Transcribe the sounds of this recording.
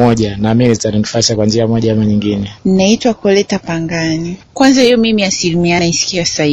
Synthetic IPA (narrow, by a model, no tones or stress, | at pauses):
ɔʄanaminitaɾinifasakwand͡ʒiamɔʄaamaɲiŋɡinɛn̩naitwakɔlɛtapaŋɡanikwanzahijɔmimiasilimianaisi̥kiasai